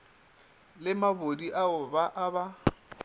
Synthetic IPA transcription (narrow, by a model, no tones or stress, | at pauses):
lɪmabodiʔaʊbaʔaba